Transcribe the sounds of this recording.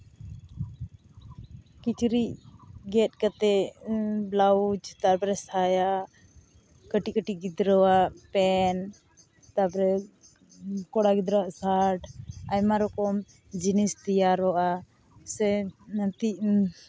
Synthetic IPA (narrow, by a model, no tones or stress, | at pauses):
kit͡ʃɾiʔɡɛt̪̚kat̪ɛ | blaud͡ʒt̪aɾpɾɛsaja | kəʈiʔkəʈiʔɡid̪ɾɔwaʔpɛn | t̪apɾɛ | kɔɽaɡid̪ɾawaʔsaʈajmaɾɔkɔm | d͡ʒinist̪ijaɾɔʔa | sɛət̪iʔ